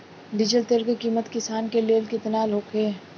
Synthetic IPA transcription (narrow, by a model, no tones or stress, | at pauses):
ɖɪd͡ʒəlt̪eːlkekiːmət̪kɪsaːnkeleːlkɪt̪naːlɦoːkʰeː